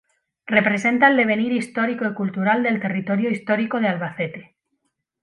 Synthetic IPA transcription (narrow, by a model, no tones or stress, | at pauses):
re̞pɾe̞se̞nt̪aeld̪e̞β̞e̞niɾist̪o̞ɾikoikult̪uɾald̪e̞lt̪e̞rit̪o̞ɾjoist̪o̞ɾiko̞ð̞ealβaθe̞t̪e̞̥